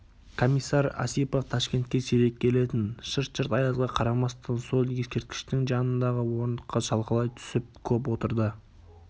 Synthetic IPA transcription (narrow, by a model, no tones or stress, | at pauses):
kʰo̞misːɑɾɑ̰sipoft̪ʰɑʃkʲe̞nt̪̚kʲe̞seɾe̞kʲkʲʰːe̞le̞t̪ɪnʃəɾt̪ʃəɾt̪ɑjɑzʁɑqʰɑɾɑmɑst̪ʰɑnso̞lˠje̞skʲe̞ɾt̪kʲɪ̥ʃt̪ɪŋʒɑnənd̪ɑʁəwo̞ɾnd̪əqqːɑʒɑlˠqəlˠɑjt̪ʰʏ̥sɪp̚kʲʰɵp̬wo̞t̪əɾd̪ə